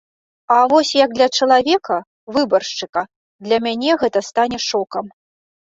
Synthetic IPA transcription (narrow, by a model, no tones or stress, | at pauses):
avɔsʲjɐɡ̚d̪lʲɐt͡ʂɐlˠavʲɛkɐ | vɨbɐrʂt͡ʂɨkɐ | d̪lʲɐmʲanʲɛɣɛt̪ɐst̪anʲɛʂɔkɐm